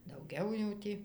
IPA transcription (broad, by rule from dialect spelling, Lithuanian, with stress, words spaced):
dɐʊˈɡʲɛʊ jɛʊ ˈtʲiː